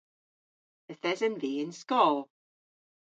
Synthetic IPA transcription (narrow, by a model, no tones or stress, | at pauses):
əθɛzənviːɪnskɔːlˠ